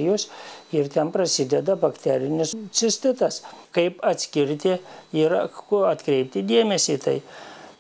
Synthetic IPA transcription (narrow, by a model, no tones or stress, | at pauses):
ɪjoːsɪrt̪ʲɛnpɾɐsʲɪd̪ʲɛd̪ɐbɐkt̪ʲæːɾʲɪnʲɪssʲɪsʲt̪ʲɪt̪ɐskɐɪpɐt̪ʲsʲkʲɪɾʲt̪ʲɪɪɾɐt̪kɾʲɛɪp̚t̪ʲɪd̪ʲeːmʲɛsʲiːt̪ɐɪ